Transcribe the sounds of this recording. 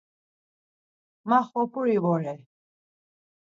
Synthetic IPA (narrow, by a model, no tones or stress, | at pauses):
maχɔpʰuɾivɔɾɛ